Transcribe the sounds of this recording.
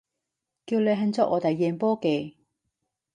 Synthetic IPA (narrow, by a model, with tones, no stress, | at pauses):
kiː˧wle˨˧jɦɐ˧nt͡sɔː˥ʔɔː˨˧t̪ɐ˨jːɛː˨˧npɔː˥ke˨˩